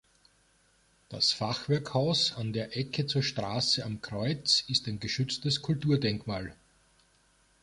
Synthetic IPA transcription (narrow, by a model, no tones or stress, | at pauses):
d̥a̰sfaχv̥ɛɐkhaʊsandeːɐʔɛkʰət͡suːɐʃtʁaːsəamkʁ̥ɔʏt͡sɪstæɪnɡəʃʏt͡stəskʰʊltuːɐdɛŋkmaːl